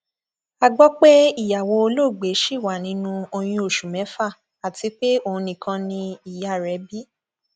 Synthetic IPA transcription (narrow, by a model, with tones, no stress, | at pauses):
a˧ɡ͡bɔ˦k͡pe˦i˦˨ja˨wo˧o˧lo˦˨ɡ͡be˨˦ʃi˦˨wa˨nĩ˨˦nũ˦o˧j̃ĩ˧o˨ʃu˨mɛ̃˨˦fa˦˨ | a˨ti˨˦k͡pe˦o˦˨ũ˧nĩ˧˨kʰã˧nĩ˧i˨ja˨ɾɛ˨˦bi˦